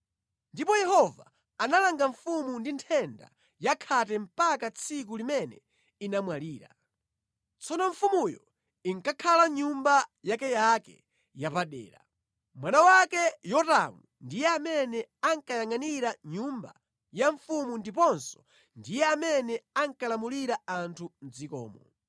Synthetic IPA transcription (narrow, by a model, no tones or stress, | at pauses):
ndipɔjɛhɔva̰ː | nalaŋɡaɱfumundintʰɛnda̰ | jakʰatɛm̩pakat͡sʰikulimɛnɛ̰ | inamwaliːɾa̰ | t͡sʰɔnɔɱfumujɔ̰ | iŋkakʰalaɲumbajakɛjakɛ̰ | japaɗɛ̰ːɾa̰ | mwanawakɛjɔtamundijɛamɛnɛaŋkajaŋaniɾaɲumba̰ | jaɱfumundipɔnsɔ̥ | ndijɛamɛnɛaŋkalamuliɾaantʰun̩d͡zikɔ̰ːmɔ